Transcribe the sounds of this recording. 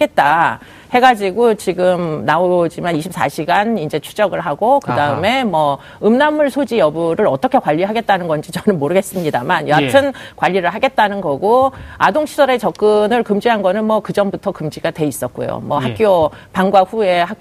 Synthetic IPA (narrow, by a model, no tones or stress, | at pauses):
ɡe̞t̚t͈a | he̞ɡad͡ʑiɡot͡ɕiɡɯmnaod͡ʑimaniɕʰip̚s͈a̰ɕʰiɡanind͡ʑe̞t͡ɕʰud͡ʑʌɡɯɭɦaɡokɯdaɯme̞mwʌ | ɯmnamːuɭsʰod͡ʑijʌbuɾɯɾʌt͈ʌkʰe̞kwaʎːiɦaɡe̞t̚t͈anɯnɡʌnd͡ʑit͡ɕʌnɯnmoɾɯɡes͈ɯmɲidamanjʌatʰɯnkwaʎːiɾɯɭɦaɡe̞t̚t͈anɯnɡʌɡoadoŋɕʰisʰʌɾe̞t͡ɕʌk̚k͈ɯnɯɭkɯmd͡ʑiɦanɡʌnɯnmwʌkɯd͡ʑʌmbutʰʌkɯmd͡ʑiɡadwe̞is͈ʌt̚k͈o̰jo̰mwʌɦakk͈jo | paŋɡwaɸue̞ha